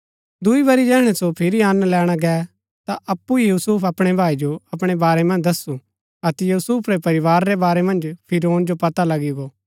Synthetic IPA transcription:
d̪ʊiβɐɾid͡ʒɛːɦɽ̃ɛsopʰɪɾiɐnlɛːɽ̃aɡɛː | t̪aʔɐpːuijuːsuːpʰɐpɽ̃ebʱaːid͡ʒoɐpɽ̃ebaːɾɛmɐ̃nd͡ʒd̪ɐsu | ɐt̪ɛjuːsuːpʰɾɛpɐɾɪʋaːɾːɛbaːɾɛmɐ̃nd͡ʒpʰɪɾoːnd͡ʒopɐt̪alɐɡiɡoː

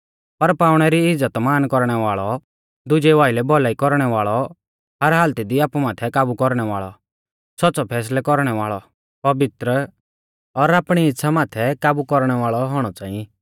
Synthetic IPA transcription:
pɐɾpaːʊɽ̃ɛɾiɪd͡zət̪maːnkɔɾɽ̃ɛʋaːɭɔ | d̪ʊd͡ʒɛʋaːɪlɛbʱɔlaːikɔɾɽ̃ɛʋaːɭɔ | ɦɐɾɦaːlt̪id̪iaːpumaːt̪ʰɛkaːbukɔɾɽ̃ɛʋaːɭɔ̰ | sɔtːsɔpʰɛːs̬lɛkɔɾɽ̃ɛʋaːɭɔ | pɐʋɪt̪ɾə | ɔɾaːpɽ̃iɪtːsʰamaːt̪ʰɛkaːbukɔɾɽ̃ɛʋaːɭɔɦɔɽ̃ɔt͡saːĩi

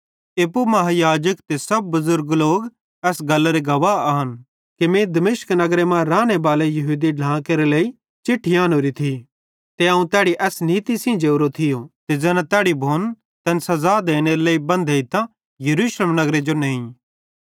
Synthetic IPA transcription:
eːpumɐɦajaːd͡ʒəkt̪esɐb̚ːʊzʊɾɡloːɡ | ɛːsɡɐlːaɾeɡɐʋaaɦɐn | kemẽd̪ɐmeːʃknɐɡɾemãɾaːɽ̃ebaːlejɐɦuːd̪iɖlãːkeɾeleːi | t͡ʃɪʈʰːiãːnoːɾit̪ʰi | t̪eaːũt̪ɛːɽiʔɛːsniːt̪isĩd͡ʒeːʊɾot̪ʰɪjot̪ezɛːnãt̪ɛːɽibʱoːn | t̪ɐnsɐzad̪eːɽ̃eɾeleːibɐ̃nd̪ʱeit̪ã | jɐɾuːʃleːmnɐɡɾed͡ʒonẽːĩ

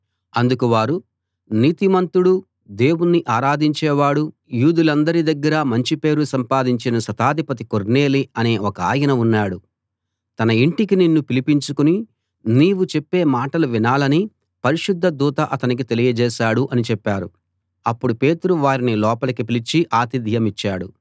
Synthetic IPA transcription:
ɐnd̪ukuʋaːɾu | niːt̪imɐnt̪uɽu | d̪e̞ːwunːiʔaːɾaːd̪iɲt͡ʃɛːʋaːɽu | juːd̪ulɐnd̪ɐɾid̪ɐɡːɐɾɐmɐɲt͡ʃipe̞ːɾusɐmpaːd̪iɲt͡ʃinɐsɐt̪aːd̪ʱipɐt̪̬ikoɾne̞ːliɐne̞ːɔkɐa̰ːjɐnɐunːaːɽu | t̪ɐnɐiɳʈikininːupilipiɲt͡ʃukuni | niːwut͡ʃepːe̞ːmaːʈɐluʋinaːlɐni | pɐɾiʃud̪ʱːɐd̪uːt̪ɐʔɐt̪ɐnik̬it̪e̞lijɐd͡ʒɛːʃaːɽuʔɐnit͡ʃɛpːaːɾṵ | ɐpːuɽupe̞ːt̪uɾuʋaːɾinilɔːpɐlɐkipilit͡ʃiʔaːt̪id̪ʱjɐmit͡ʃːaːɽṵ

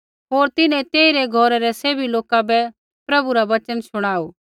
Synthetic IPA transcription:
ɦoːɾt̪ɪnɛ̃t̪eːiɾeɡʱɔːɾɛɾɛseːbiloːkabɛ | pɾɐbuɾaʋɐt͡ʃənsʊɽ̃aːoː

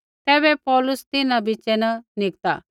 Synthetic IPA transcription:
t̪ɛːbɛpɔːlʊst̪ɪnabʱit͡ʃɛnɐnɪk̚t̪a̰

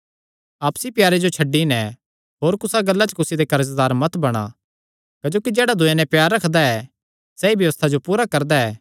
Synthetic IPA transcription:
aːpsipjaːɾed͡ʒot͡ʃʰɐɖːinɛ̃ | ɦoːɾkʊsaɡɐlːat͡ʃəkʊsid̪ekɐɾəzd̪aːɾmɐt̪bɐɽ̃a̰ | kɐd͡ʒoːkid͡ʒɛːɽad̪ʱʊenɛ̃pjaːɾːɐkʰd̪aɛ | sɛibjɐʋəst̪ʰad͡ʒopuːɾakɐɾd̪aɛː

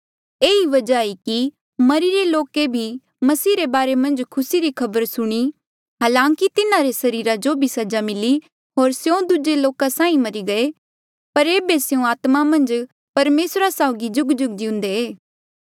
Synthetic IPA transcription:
eːiʋɐd͡ʒaːiki | mɐɾiɾeloːkebʱi | mɐsiːɾebaːɾemɐ̃nd͡ʒkʰʊsiɾikʰɐbəɾsʊɽ̃i | ɦaːlãːŋkit̪ɪnãɾesɐɾiːɾad͡ʒobʱisɐd͡ʒamɪli | ɦoːɾsjõd̪ud͡ʒeloːkasãːĩmɐɾiɡɐe | pɐɾeːbesjũaːt̪mamɐ̃nd͡ʒ | pɐɾmeːsɾasaʊɡid͡ʒʊɡd͡ʒʊɡ̚d͡ʒɪʊ̃nd̪eeː

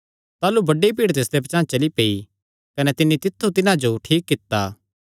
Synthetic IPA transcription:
t̪aːlubɐɖːipiːɽt̪eːsd̪epɐt͡ʃãːt͡ʃɐlipeːi | kɐnɛt̪ɪnːit̪ɪt̪ʰːut̪ɪnãd͡ʒoʈʰiːkːɪt̪ːaː

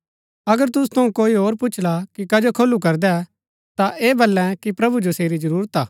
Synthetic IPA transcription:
ɐɡəɾt̪ʊsu̥t̪ʰɐũkoːiɦoːɾpʊːt͡ʃʰlakikɐd͡ʒokʰolːukɐɾd̪ɛ | t̪aʔeːbɐlːɛ̃kipɾɐbud͡ʒoseːɾid͡ʒɐɾuːɾət̪aː

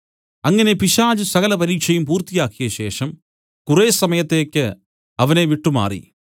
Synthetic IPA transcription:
ɐŋːɐne̞piʂaːd͡ʑɨsɐɣɐlɐpɐɾiːkʂɐjumpuːrt̪ijaːkːijɐɕe̞ːʂɐm | kureːsɐmɐjɐt̪ːe̞ːkʲːɨ | ɐʋɐneʋiʈːuma̰ːrḭ

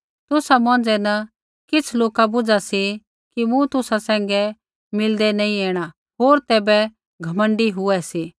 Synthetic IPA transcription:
t̪ʊsamɔ̃ːd͡zɛnɐ | kɪt͡sʰloːkabʊd͡ʒasi | kimũt̪ʊsasɛ̃ːŋ̆ɡɛ | mɪld̪ɛnɐĩeːɽ̃a | ɦoːɾt̪ɛːbɛ | ɡʱɐmə̃ɳɖiɦʊɛsiː

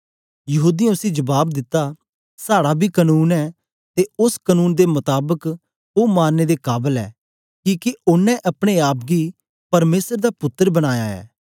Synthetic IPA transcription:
jəɦuːd̪iãʊsĩd͡ʒəbaːbd̪ɪt̪ːaː | saːɽabʱiːkənuːnɛː | t̪eʊskənuːnd̪emʊt̪aːbək | oːmaːnːeːd̪ekaːbəlɛ̰ː | kiːkeʊnːɛ̃ʔɐpɽ̃eaːp̚ɡiː | pɐɾmeːsəɾd̪aːpʊt̪ːəɾbəɽ̃aːjaːɛ̰ː

